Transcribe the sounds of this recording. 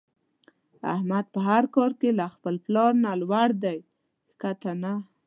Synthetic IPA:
a̰hmad̪̚pəɦaɾkɑɾkelaxpəlplɑɾnalwaɽd̪aj | kat̪ana

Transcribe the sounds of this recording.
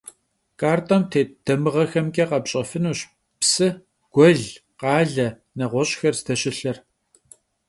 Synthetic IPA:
kʼaːrtʼɐmtʰeːd̥ɐmɨʁɐxɐmkʲʼeːqɐpɕʼɐfɨnuːɕ | psɨ | ɡ̥ʷɔɮ | qɑːɮɐ | nɐʁʷɔɕʼxɐrstʰɐɕɪɬɐr

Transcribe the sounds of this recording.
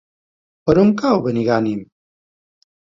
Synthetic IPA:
pɐɾumkaːwbɐniɡaːnim

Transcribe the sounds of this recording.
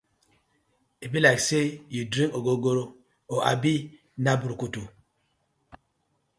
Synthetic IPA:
ebilaksejudɾĩŋoɡoɡoɾo | ɔʔa̰bi | nabuɾkutu

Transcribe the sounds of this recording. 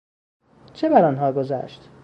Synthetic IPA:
t͡ʃʰebæɾɒːnɦɒːɡozæ̰ːʃt̪

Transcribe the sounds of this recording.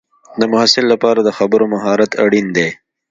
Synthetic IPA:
d̪əmʊhasɪlːapɑːɾad̪əxabəɾomaɦɑɾat̪a̰ɽind̪e

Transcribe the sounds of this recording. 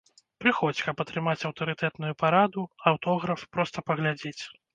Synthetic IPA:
pɾɨxɔt͡sʲkɐpɐt̪ɾɨmat͡sʲɐwt̪ɐɾɨt̪ɛt̪nujupaɾad̪uawt̪ɔɣɾɐfpɾɔst̪ɐpɐɣlʲad͡zʲet͡sʲ

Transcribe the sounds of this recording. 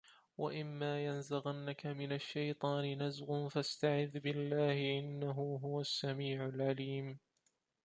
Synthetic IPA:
waʔɪmːaːjanzaɣanːakamɪnaʃːajt̪ˤɑːnɪnazɣʊnfast̪aʕɪðːbɪlːaːhɪʔɪnːaɦuːɦʊwasːamiːʕʊlʕaliːm

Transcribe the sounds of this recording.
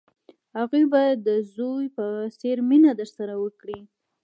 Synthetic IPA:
haɣujbajad̪ːəzojpəseɾminad̪əɾsaɾawəkɽi

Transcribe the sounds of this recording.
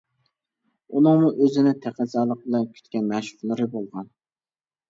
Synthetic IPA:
unɨŋmuʔøzɪnɪt̪ʰæqəzɑːlˠəq̚bɪlɛnkʲʰy̥t̪kʲɛnmæʃu̥χlˠɨɾɪbolˠʁɑn

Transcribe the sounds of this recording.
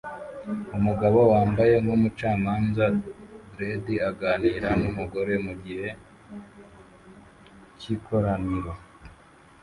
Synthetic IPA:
umuɡaβowaːmbaje̞ŋɡomut͡ʃaːmaːnzabɾediaɡaːniːɾanumuɡo̞ɾe̞muɡihe̞ | cikʰo̞ɾaniɾwa

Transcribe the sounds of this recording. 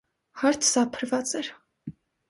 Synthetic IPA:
hɑɾt̪ʰsɑpʰəɾvɑt͡sɛɾ

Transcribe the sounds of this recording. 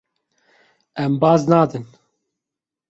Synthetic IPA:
ɛmbɑːznɑːd̪ɨn

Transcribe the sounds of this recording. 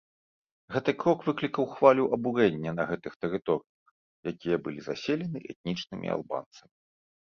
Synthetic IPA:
ɣɛt̪ɨkɾɔkvɨklʲikɐwxvalʲuʔɐbuɾɛnʲːɐnɐɣɛt̪ɨxt̪ɛɾɨt̪ɔɾɨjɐx | jakʲijɐbɨlʲizasʲelʲɛnɨʔɛ̰t̪̚nʲit͡ʂnɨmʲʔḭa̰lˠba̰nt̪sɐmʲi

